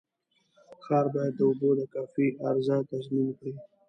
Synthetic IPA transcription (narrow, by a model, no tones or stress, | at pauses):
xɑːɾbɑjad̪̚ːəʊbod̪əkɑfiʔaɾzɑt̪azminkwi